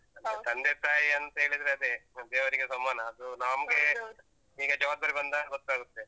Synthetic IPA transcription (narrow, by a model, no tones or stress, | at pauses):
ɐnd̪et̪ɐnd̪epɾaːjɐnt̪ɐɦeːɭid̪ɾeɐd̪ed̪eːʋɐɾiɡesɐmːaːnɐːd̪unaːmɡe | iːɡɐd͡ʒɐʋaːb̪̚d̪aːɾibɐnd̪abɐt̪aːɡut̪ːe